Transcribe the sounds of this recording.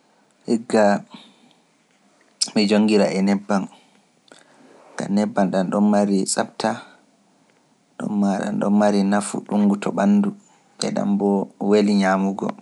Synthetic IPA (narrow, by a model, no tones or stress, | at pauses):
hiɡːa | mid͡ʒoŋːɡiɾaʔɛnɛbːan | ɡa̰nɛbːanɗanɗɔnmaɾisap̚tʰa | ɗɔ̰nmaɗa̰nɗɔ̰nmaɾinafṵɗuŋɡutɔɓanːdu | ʔɛ̰ɗa̰mbɔweliɲamuɡɔ̰